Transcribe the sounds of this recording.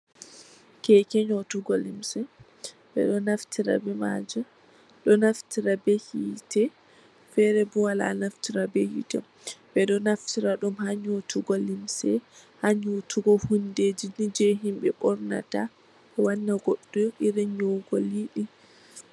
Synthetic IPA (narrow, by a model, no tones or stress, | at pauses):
kɛkɛɲotuɡolimsɛ | bɛ̰ɗɔnaftʰiɾa̰bɛma̰d͡ʒu | ɗɔnaftʰiɾabɛhitɛ | fɛɾɛbɔwala̰naftiɾabɛhḭtɛ̰ | bɛɗɔnaftiɾaɗumhaɲotuɡolimsɛhaɲotʰuɡɔhunded͡ʒinid͡ʒɛɦimbɛɓɔɾna̰ta | ɛwanːaɡoɗːuʔiɾɛɲoɡoliɗi